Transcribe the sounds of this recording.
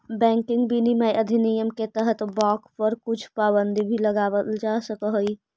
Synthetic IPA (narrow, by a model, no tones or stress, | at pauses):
bɛ̃ŋkiŋɡbinimajʔəd̪ʱinijəmket̪əɦət̪bɔkpəɾkut͡ʃʰpabənd̪ʱibʱiləɡabəld͡ʒasəkəɦj